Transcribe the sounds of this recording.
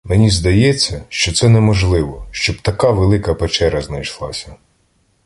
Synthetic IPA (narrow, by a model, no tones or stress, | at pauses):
menʲizd̪ɐjɛt͡sʲːɐʃt͡ʃɔt̪sɛnɛmɔʒlˠɪʋɔʃt͡ʃɔbt̪ɐkaʋelˠɪkɐpet͡ʃɛɾɐznɐjʃlˠɑsʲɐ